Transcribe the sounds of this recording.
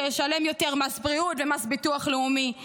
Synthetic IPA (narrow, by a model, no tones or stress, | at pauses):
ʃale̞mjo̞teʁmasbʁiutvemasbituaχleumi